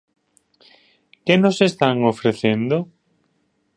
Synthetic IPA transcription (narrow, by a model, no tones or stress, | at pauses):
kenosest̪aŋofɾeθend̪o